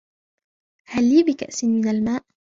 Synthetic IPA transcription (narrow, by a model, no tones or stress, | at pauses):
halːiːbɪka̰ʔsɪmɪnalmaːʔ